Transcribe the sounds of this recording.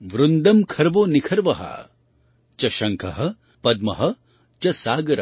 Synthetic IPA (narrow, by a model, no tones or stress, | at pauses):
ʋɾund̪ɐmkʰɐɾʋoːnikʰɐɾʋɐɦa̰ | t͡ʃɐʃɐŋkʰɐɦɐ̆ | pɐd̪̚mɐɦɐ | t͡ʃɐsaːɡɐɾɐ